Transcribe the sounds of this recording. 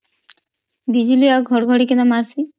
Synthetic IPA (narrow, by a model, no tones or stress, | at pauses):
b̪id͡ʒuliaɡʱɔɽɡʱɔɽikɛnamasi